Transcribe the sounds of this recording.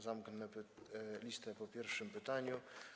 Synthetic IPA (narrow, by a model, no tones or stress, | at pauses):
zamknɛplʲist̪ɛpɔpʲjɛɾfʂɘmpɘt̪aɲu